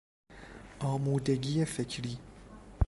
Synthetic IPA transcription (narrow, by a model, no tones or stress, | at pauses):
ʔɒːmuːd̪e̞ɟiːjefecʰɾiː